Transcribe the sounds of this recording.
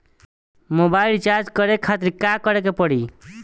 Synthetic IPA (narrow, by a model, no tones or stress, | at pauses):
mobailt͡ʃaɾd͡ʒkəɾekʰːat̪ɾikakəɾek̬epəɽi